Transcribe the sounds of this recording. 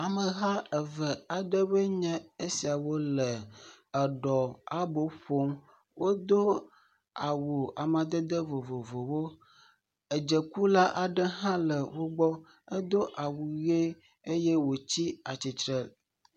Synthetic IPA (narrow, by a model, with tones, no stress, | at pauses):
a˨mə˨ɦa˦ə˨və˨a˨ɖə˦bə˦ɲɛ̃˦e˦si˨a˨wo˦lə˨ə˨ɖɔ˨a˨bo˨ɸo˦m | wo˦d̪o˦ | a˨wu˨a˨mã˨d̪ə˦d̪ə˦vo˨vo˨vo˨wo˦ | ə˨d͡ʒə˨ku˦la˦ʔa˨ɖə˦ɦã˦lə˨wo˦ɡ͡bɔ˦ | ə˦d̪o˦ʔa˨wu˨ɣe˦ | e˦jɛ˦wo˨t͡ɕi˦a˨t͡ɕi˨t̪ɾə˨l